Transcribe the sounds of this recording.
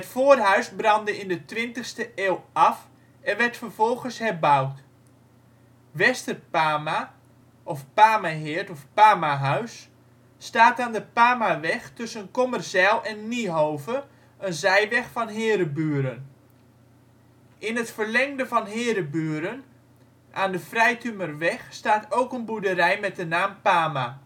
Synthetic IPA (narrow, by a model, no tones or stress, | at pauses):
hətfoːrɦœɥsbrɑndəɪndətʋɪntəxstəʔɪːlˠɑf | ɛnʋɛrtfərvɔlˠχənshɛrbawt | ʋɛstərpaːma | ʔɔfpaːmaɦɪəɹtɔfpaːmaɦœɥsː | taːtaːndəpaːmaʋɛxtɵsənkomərsɛlˠɛnːiɦoːvə | ənzɛjʋɛxfɔnɦɪːɾəbyəɾən | ʔɪnətfərlɛŋdəvɔnɦɪːɾəbyːəɾən | ʔaːndəfrɛjtymərʋɛxstaːtʰowkənbudərɛjmɛt̚dənaːmpaːma